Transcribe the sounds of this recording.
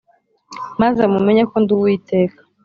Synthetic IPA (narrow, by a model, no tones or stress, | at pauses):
mazamumeɲakonduwiːte̞ːkḁ